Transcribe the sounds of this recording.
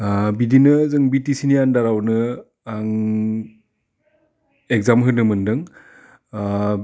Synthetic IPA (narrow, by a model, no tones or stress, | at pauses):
bidinɯzɯŋbitisinijandaɾawnɯ | aŋ | ek̚zamɦɯnɯmɯndɯŋ